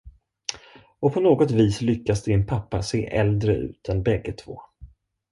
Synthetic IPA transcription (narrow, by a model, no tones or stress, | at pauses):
ɔpʰɔnoːɡɔt̪viːslʏkːasd̪ɛɪnpʰapːaseːʔɛld̪ɾəʔʉ̟̰ːt̪ʰɛnbɛɡːət̪ʰv̥o̰ː